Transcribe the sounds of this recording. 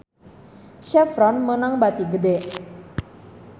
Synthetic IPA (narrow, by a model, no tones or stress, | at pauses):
ʃɛfɾɔnmənaŋbat̪iɡədɛ